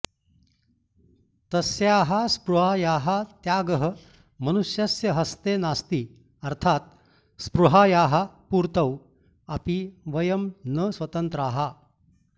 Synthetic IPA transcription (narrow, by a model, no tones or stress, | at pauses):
t̪ɐsjaɦaspɾuɦajaɦat̪jaːɡəɦə | mənuɕjɐsjəɦɐst̪enast̪iː | ɐɾt̪ʰat̪̚ | spɾuɦajaɦapuɾt̪əw | apiʋəjəmnəsʋɐt̪ənt̪ɾəaɦa